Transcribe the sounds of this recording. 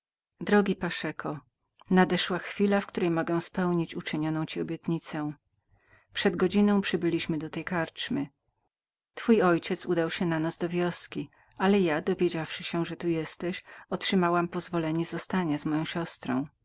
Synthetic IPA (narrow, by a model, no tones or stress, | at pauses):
d̪ɾɔɡʲipaʂɛkʰɔ | nad̪ɛʂwaxfʲilafkt̪uɾɛjmɔɡɛw̃spɛwɲit͡ɕut͡ʂɘɲɔnɔ̃w̃t͡ɕiɔbʲjɛt̪ɲit̪sɛ̃ | pʂɛd̪ɡɔd͡ʑinɔ̃w̃pʂɘbɘlʲiɕmɘd̪ɔt̪ɛjkaɾt͡ʂmɘ | t̪fujɔjt͡ɕɛt̪sud̪awɕɛnanazd̪ɔvʲjɔskʲi | alɛjad̪ɔvʲjed͡ʑafʂɘɕɛʐɛt̪ujɛst̪ɛɕɔtʂɘmawampɔzvɔlɛɲɛzɔst̪aɲazmɔjɔ̃w̃ɕɔst̪ɾɔ̰̃w̃